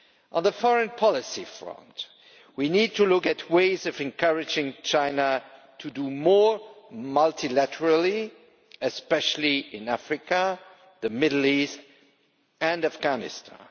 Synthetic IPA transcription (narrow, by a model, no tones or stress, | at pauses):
ʔə̃nðəfɔɹɨ̃npʰɑlˠɪsifɹʌ̰̃nt | winid̚tʰɨlʊkɨtʰweɪzʌvɨ̃nkʰʌɹɨd͡ʒɪ̃ŋt͡ʃʰãɪnə | tʰɨdəmɔɹmʌlˠtʰilæɾə˞əlˠi | ɨspɛʃl̩ˠiɪ̃næfɹɪkə | ðɨmɪdl̩ˠist | ɨ̃nafɡ̥ænɪ̰stʰɑ̰̃n